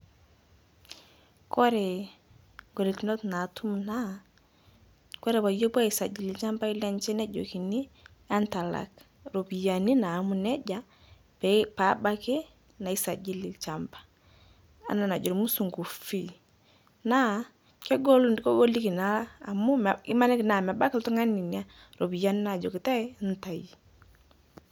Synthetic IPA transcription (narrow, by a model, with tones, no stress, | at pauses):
kɔ˦ɾɛ˨ | ɡo˨li˨ki˨nɔ˦tna˨tʰu˦mna˦ | kɔ˦ɾɛ˨ba˨jo˦ba˦i˨sa˨d͡ʒi˨li˨t͡ʃa˦mba˦i˦la˦nt͡ʃɛ˦nɛ˦d͡ʒɔ̰˨ki˨ni˦ | a˦nta˨la̰˨k | ɾo˨pi˨ja˨ni˦naː˨mu˦˨nɛ˦d͡ʒa˨ | pɛ˨pa˨˦ba˦ke˦ | na˨i˦sa˨d͡ʒi˦li˨t͡ʃa˨mpḁ˨ | a̰˨˦na˨na˨d͡ʒɔ˨ɾmu˦su˨ŋɡu˨fi˦˨ | na˦ | kɛ˦ɡɔ˦lkɔ˦ɡo˦li˦ki˨naː˦˨mʊ˦i˦ma˦nɛ˦ki˨na˨ma˨ba˦kltɔ˦ŋa˦ni˨nia˦ | ɾo˨bi˨ja˦ni˦na˨d͡ʒɔ̰˨kɪ˨ta˦n˦ta˨ji˨